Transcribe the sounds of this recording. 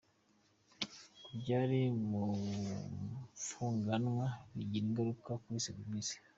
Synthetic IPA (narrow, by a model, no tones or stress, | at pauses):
bɟaɾimu | fuŋɡanwaβiɟiiŋɡaɾukakuβisaβimiːsi̥